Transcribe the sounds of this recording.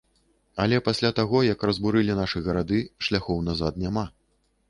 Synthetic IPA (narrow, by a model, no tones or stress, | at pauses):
ɐlʲɛpasʲlʲat̪aɣɔjɐkrɐzbuɾɨlʲinaʂɨɣɐɾad̪ɨʂlʲaxɔwnazat̪nʲama